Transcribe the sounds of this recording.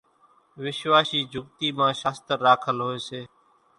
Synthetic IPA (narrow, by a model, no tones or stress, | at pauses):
ʋɪʃʋaːsiːd͡ʒʱʊɡt̪iːmãːʃaːst̪əɾːaːkʰəlɦoːeːseː